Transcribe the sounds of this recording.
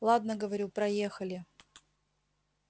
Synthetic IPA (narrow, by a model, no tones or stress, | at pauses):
lˠad̪nəɡəvɐɾʲupɾɐjexəlʲɪ